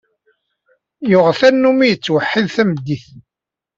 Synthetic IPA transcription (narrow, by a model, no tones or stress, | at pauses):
jʊʁθænːumijət͡sːwəħːiðθæməd̪ːiθ